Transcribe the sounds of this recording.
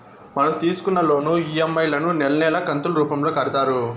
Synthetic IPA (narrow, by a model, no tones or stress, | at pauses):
mɐnɐmt̪iːsu̥kunːɐlo̞ːnuiemːɐjlɐnunɛlɐnɛːlɐkɐnt̪ulɾuːpɐmlo̞ːkɐɽit̪aːɾu